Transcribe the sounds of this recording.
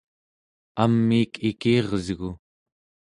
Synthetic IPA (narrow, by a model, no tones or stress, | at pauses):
amːiːkʰikiːʁzɣu